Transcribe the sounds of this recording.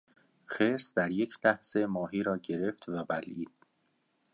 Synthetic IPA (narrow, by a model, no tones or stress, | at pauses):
xeːɾsd̪æɾjecʰlæhz̥e̞mɒːɦiːɾɒːɟe̞ɾe̞ft̪ʰvæbælʔiːd̪̥̚